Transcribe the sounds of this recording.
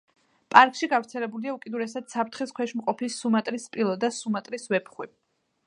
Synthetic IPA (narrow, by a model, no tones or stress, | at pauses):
pʼaɾkʼʃiɡavɾt̪sʰɛlɛbuliaukʼid̪uɾɛsad̪̥sapʰɾt̪ʰχiskʰwɛʃmqʼɔpʰisːumat̪ʼɾispʼilˠɔd̪asumat̪ʼɾisvɛpʰχwi